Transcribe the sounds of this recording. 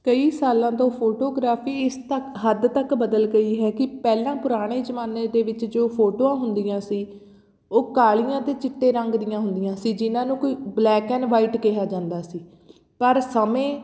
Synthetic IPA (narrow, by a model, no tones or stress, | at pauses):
kəiːsaːlãːt̪õːpʰoːʈoːɡɾaːpʰiːɪst̪əkɦəd̪t̪əkbəd̪əlɡəiːɦɛːkɪpɛːlãːpʊɾaːɽ̃eːd͡ʒəmaːneːd̪eːʋɪt͡ʃd͡ʒoːpʰoːʈoːãːɦʊnd̪ɪjãːsiː | oːkaːɭɪjãːt̪eːt͡ʃɪʈːeːɾə̃ŋɡd̪ɪjãːɦʊnd̪ɪjãːsiːd͡ʒɪnãːnũːkoiːblɛːkɛːnʋaːiːʈkɛɦaːd͡ʒãːnd̪aːsiː | pəɾsəmẽː